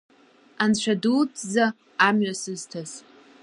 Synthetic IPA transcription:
ant͡ɕʷʰᶣadut͡sʼzaː | mɥasɨztʰaz

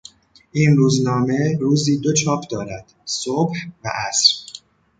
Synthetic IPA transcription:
ʔiːnruːznɒːme̞ɾuːziːd̪o̞t͡ʃʰɒːpʰd̪ɒːɾæd̪̥sobhvæ̰ʔæsɾ

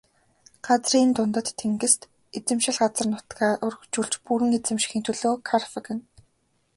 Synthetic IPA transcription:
ɢ̥at͡sriːnt̪ʊnt̪ə̆t̪ʰːeŋɡɘ̆st̪ | et͡sɘ̆mʃɪ̆ɮɢat͡sə̆rnʊt̪ɡaːʔʊrxt͡ɕuːɮt͡ɕpuɾɘ̆ŋet͡sɘ̆mʃi̥xiːnt̪ʰɵɮoːkʰarfɪ̆kɘ̆n

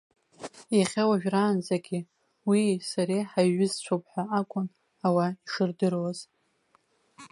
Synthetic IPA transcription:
iχʲawaʒᶣraːnd͡zʼaɡʲɪ | wisaɾejħaɥːɪzt͡ɕʷʰowpʰʼħʷᶣaakʷʼʊn | awaiʂɨrdɨrwaz

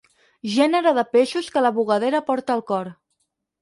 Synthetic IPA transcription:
ʒɛnəɾəðəpeʃuskələβuɣəð̞eɾəpɔɾt̪əːlˠkɔɾ

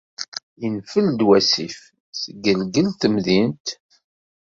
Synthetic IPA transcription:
jənfəld̪wæsif | səɡːəlɡəlt̪əmðint̪

